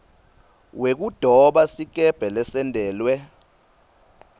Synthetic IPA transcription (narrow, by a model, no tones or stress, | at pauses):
wek̬ud̥ʱɔɓasik̬ʼɛb̥ʱɛlɛsɛndʱɛːlwɛ